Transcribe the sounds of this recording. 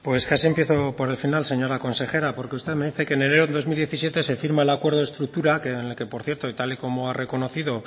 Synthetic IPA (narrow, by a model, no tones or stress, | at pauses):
pwe̞skasiempje̞θo̞po̞ɾe̞lfinalse̞ɲo̞ɾako̞nse̞xe̞ɾapo̞ɾkeust̪eðme̞ðiθe̞kene̞ne̞ɾoðo̞zmild̪je̞θisje̞t̪e̞se̞fiɾmae̞lakwe̞ɾð̞oe̞st̪ɾuk̚t̪uɾakenelke̞po̞ɾθjeɾt̪o̞it̪aliko̞mo̞are̞ko̞no̞θiðo